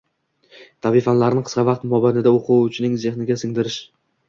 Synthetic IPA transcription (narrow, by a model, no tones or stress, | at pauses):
t̪ʰavɪfanlaɾɪnɪqʰɨ̥sqɑvɑq̚t̪mɒbanɪd̪aoqʰuʊt͡ʃʰɪnɪŋze̞χnɪɡʲasɪŋd̪ɪɾɪʃ